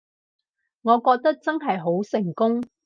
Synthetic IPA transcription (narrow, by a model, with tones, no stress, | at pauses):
ŋɔː˨˧kɔː˧k̚t̪ɐ˥k̚t͡sɐ˥nɦɐ˨jɦo˨˥wsɪ˨˩ŋkʊ˥ŋ